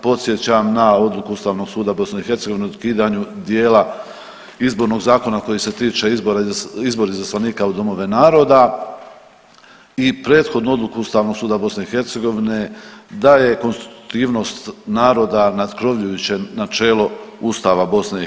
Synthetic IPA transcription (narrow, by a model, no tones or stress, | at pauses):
po̞t̪sje̞t͡ɕamnao̞d̪lˠukuust̪aːʋno̞ɡ̥suːd̪abo̞sneixe̞ɾt̪se̞ɡo̞ʋineud̪kiːd̪aɲud̪jeːla | izbo̞ɾno̞ɡzaːko̞nako̞jise̞t̪iːt͡ʃe̞izboɾaizbo̞ɾizaslaniːkaud̪o̞mo̞ʋe̞naːɾo̞ːd̪a | ipɾe̞ːd̪xo̞d̪nuo̞d̪lˠukuust̪aːʋno̞ɡ̥suːd̪abo̞sneixe̞ɾt̪se̞ɡo̞ʋine̞d̪aje̞ko̞nst̪i̥t̪u̥t̪iːʋno̞ːst̪naːɾo̞ːd̪anad̪kɾo̞ʋʎujut͡ɕe̞nat͡ʃe̞ːlo̞ust̪aːʋabo̞sne